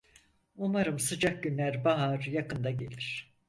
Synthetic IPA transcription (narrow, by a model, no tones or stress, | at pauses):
umaɾɯmsɯd͡ʒak̚ɟynlʲæɾbaɦaɾjakɯnd̪aɟe̞lʲiɾ̝̥